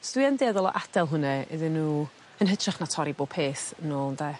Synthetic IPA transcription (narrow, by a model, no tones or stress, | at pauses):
sd̥wiɛndeːðɔlˠɔ̰ʔad̥ɛlˠɦʊnɛɛ̰ðɪnːuː | ənɦədʰraχnatʰɔɾiboːpʰeːθənonda